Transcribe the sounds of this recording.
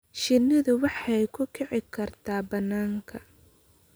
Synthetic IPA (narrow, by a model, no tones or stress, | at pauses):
ʃɪnːɪðʊwɑħɛjkʰʊkʰɛʕɪkʰɐrt̪ʰaːbɐnːaːŋkʰɐ